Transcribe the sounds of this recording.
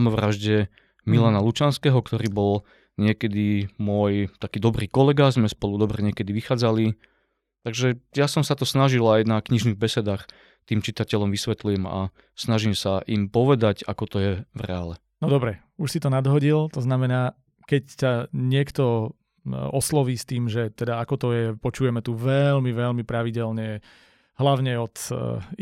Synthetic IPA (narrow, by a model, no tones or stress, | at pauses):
amɔʋɾaʒɟɛ | milanalut͡ʃanskɛɦɔkt̪ɔɾiːbɔl | ɲɪɛkɛd̪imʊɔjt̪akiːd̪ɔbɾiːkɔlɛɡazmɛspɔlud̪ɔbɾɛɲɪɛkɛd̪iʋixaːd͡zali | t̪aɡʒɛjasɔmsat̪ɔsnaʒilajnakɲiʒniɣbɛsɛd̪aːx | t̪iːmt͡ʃit̪acɛlɔmʋisʋɛt̪lujɛma̰ | snaʒimsaʔimpɔʋɛd̪aca̰kɔt̪ɔjɛvɾɛ̰alɛ | nɔd̪ɔbɾɛ | uʃsit̪ɔnad̪ɦɔɟilt̪ɔznamɛnaː | kɛcsaɲɪɛkt̪ɔ | ɔslɔʋiːst̪iːmʒɛt̪ɛd̪aakɔt̪ɔjɛpɔt͡ʃuːjɛmɛt̪uʋɛlmiʋɛlmipɾaʋiɟɛlɲɛ | ɦlaʊɲɛɔt̪